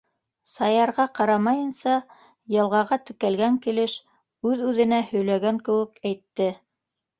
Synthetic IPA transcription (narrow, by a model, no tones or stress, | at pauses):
sɑjɑɾʁɑqɑɾɑmɑjɤ̆nsɑ | jɤ̆lˠʁɑʁɑt̪ɘ̆kælɡæŋkilɘʃ | ʉðʉðɘ̆næhɵ̆jlæɡæŋkɘ̆wɘ̆kæjt̪ːɘ